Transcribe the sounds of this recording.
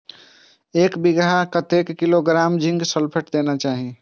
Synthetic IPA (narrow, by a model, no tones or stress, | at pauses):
ekbiɡɾakət̪ekːiloɡɾamd͡ʒĩŋɡsəlpʰəʈd̪enat͡ʃaɦi